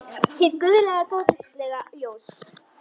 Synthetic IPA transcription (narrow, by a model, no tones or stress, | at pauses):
θiðkʏðʏlɛɣakoːwt̪ɪst̪lɛɣajoːws